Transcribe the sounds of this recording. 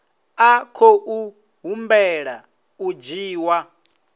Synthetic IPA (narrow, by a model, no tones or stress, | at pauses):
akʰoʔu | ɦumbɛɺa | ud͡ʒiːwa